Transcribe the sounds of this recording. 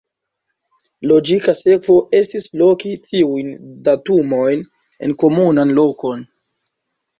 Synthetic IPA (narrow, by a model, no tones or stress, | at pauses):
lo̞d͡ʒikase̞kvo̞ʔe̞stislo̞kitʰiujndatumo̞jn | e̞̰nko̞munanlo̞ko̞n